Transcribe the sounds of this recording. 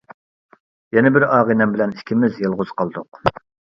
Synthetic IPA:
jɛnɪbɪɾɑːʁinɛmbɪlɛnikʲʰimɪzjelˠʁʊzqʰɑlˠd̪ʊq

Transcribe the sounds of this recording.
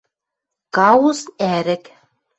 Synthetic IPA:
kɑusæɾɘ̆k

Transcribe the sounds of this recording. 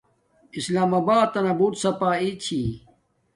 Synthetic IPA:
islaːmɐbaːt̪ːɐnɐbuːt̪sɐpaːit͡ɕʰi

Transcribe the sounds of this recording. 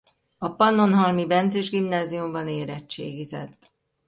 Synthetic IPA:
ɒpɒnːo̞nɦɒlmibɛnt̪zeʒɡimnaːziumbɒneːɾɛt͡ʃt͡ʃːḛːɡizɛ̰t̪ː

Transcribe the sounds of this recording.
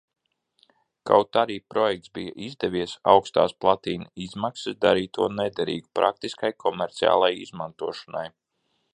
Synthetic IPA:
ka̰wt̪aɾiːpɾɔjɛk̚t̪sbijəʔizd̪ɛvʲiɛsawkst̪a̰ːsplˠat̪iːnizmaksisd̪aɾiːt̪ːuɔnɛd̪ɛɾḭːɡupɾʔa̰k̚t̪iskajkʰɔmɛɾt̪sia̰ːlˠajḭzmant̪uɔʃana̰j

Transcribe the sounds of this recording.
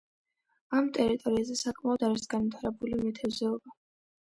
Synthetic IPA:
amt̪ʼɛɾit̪ʼɔɾiazɛsakʼmaɔd̪aɾisɡanmit̪ʰaɾɛbulimɛt̪ʰɛvzɛɔba

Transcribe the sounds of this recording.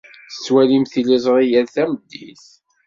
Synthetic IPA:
θə̥t͡sːwælimθilizˤɾijæðθæməd̪ːiθ

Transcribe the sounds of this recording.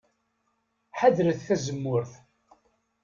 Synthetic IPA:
ħaðɾəθθæzəmːʊɾθ

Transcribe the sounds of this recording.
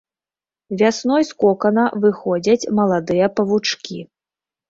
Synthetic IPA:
vʲasnɔjskɔkɐnɐvɨxɔd͡zʲɐt͡sʲmɐlˠad̪ɨjɐpɐvut͡ʂkʲi

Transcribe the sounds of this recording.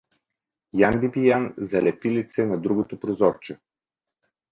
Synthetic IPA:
jambibijanzɐlɛpilit̪sɛnɐd̪ɾuɡot̪opɾozɔɾt͡ʃɛ

